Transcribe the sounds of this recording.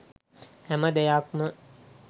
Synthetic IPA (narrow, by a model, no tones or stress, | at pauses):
hæməd̪ejakmə